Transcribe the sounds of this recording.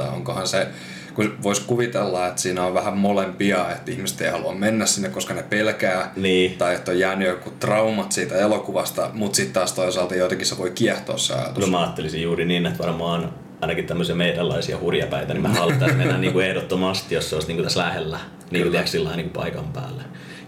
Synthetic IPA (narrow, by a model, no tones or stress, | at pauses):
o̰ŋkohɑnse | kuʋoiskuʋit̪elːɑet̪siːnæoʋʋæhæmmolempiɑet̪ːihmise̥t̪eihɑluɑmmenːæssinːekkoskɑnepelkæːniːt̪ɑijet̪ːojjæːnyøkut̪rɑumɑt̪siːt̪æelokuʋɑst̪ɑmut̪sit̪t̪ɑːst̪oisɑːlt̪ɑjot̪ɑkisseʋoikiɛht̪o̰ːssḛɑ̰jɑ̰t̪unsmæɑːt̪ːelisijjuːriniːnːet̪ʋɑrmɑːon | ɑinɑkitt̪æmːøsiɑmeidælːɑ̰isiɑ̰hurjɑpæit̪ænimæhɑlt̪ːɑsmenːænniːŋkuehdot̪ːomɑst̪ijosseoˑist̪niːkut̪æslæhelːæ | niːŋkut̪eæksilːɑiniːŋkupɑ̰ikɑmpæ̰ːlːe